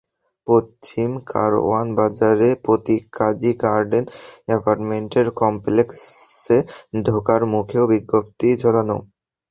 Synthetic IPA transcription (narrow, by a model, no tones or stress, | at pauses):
pot͡ɕimka̰ɾo̰anbad͡ʑaɾepɾot̪ikʰad͡ʑiɡaɾɖenɡɛpaɾʈmeɳʈeɾkɔmplekseɖʱokaɾmukʰeobiɡːop̚t̪id͡ʑʱolano̰